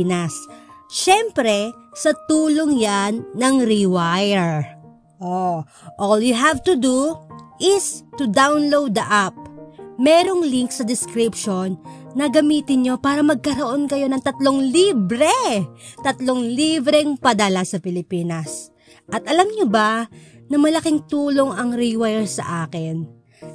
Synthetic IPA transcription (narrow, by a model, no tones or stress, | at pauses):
nɐsʃɛmpɾɛsɐt̪uːlo̞ŋjanːɐŋɾɪwajɛɹ | ʔo | ʔoljʊɦavt̪ud̪uʔɪst̪ud̪awnlowd̪̚ːɐʔap̚mɛːɾo̞ŋliŋksɐd̪ɪskɾɪpʃo̞nːɐɡɐmiːt̪ɪnɲo̞paːɾɐmɐɡ̚kɐɾoʔo̞nkɐjo̞nɐŋt̪ɐt̪lo̞ŋlibɾɛt̪ɐt̪lo̞ŋlibɾɛŋpɐd̪ɐlasɐpɪlɪpiːnɐs | ʔɐt̪ʔɐlamɲobɐnɐmɐlɐkɪŋt̪uːlo̞ŋɐŋɾiwajɛɹsɐ̰ʔaːkɪn